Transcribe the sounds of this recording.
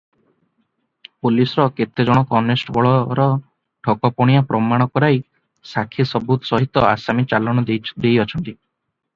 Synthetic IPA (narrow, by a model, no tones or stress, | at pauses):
pulisɔɾɔket̪ed͡ʒɔɽ̃ɔkɔnesʈbɔɭɔɾɔ | ʈʰɔkɔpɔɽ̃ijapɾɔmaɽ̃ɔkɔɾaj | sakʰisɔbut̪ɔsɔɦit̪ɔasamit͡ʃalɔɽ̃ɔd̪ejɔt͡ʃʰɔnt̪i